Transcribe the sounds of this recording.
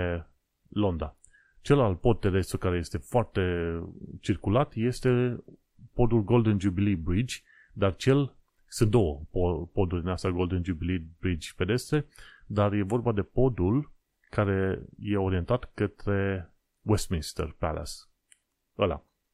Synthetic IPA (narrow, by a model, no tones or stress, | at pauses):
lo̞nd̪a | t͡ʃe̞lalpo̞d̪̚t̪ːe̞d̪e̞st̪ukaɾe̞je̞st̪e̞foart̪e̞t͡ʃirkulat̪je̞st̪e̞ | po̞d̪ulɡo̞ld̪ənd͡ʒubilibɾid͡ʒʲ | d̪art͡ʃe̞l | sunt̪d̪o̞wəopo̞d̪urʲd̪inast̪aɡo̞ld̪ənd͡ʒubilibɾid͡ʒʲpe̞d̪e̞st̪ɾe̞d̪arje̞vo̞rbad̪e̞po̞d̪ul | kaɾe̞je̞o̞ɾie̞nt̪at̪kət̪ɾe̞ | west̪minst̪ḛrpa̰la̰s | əla̰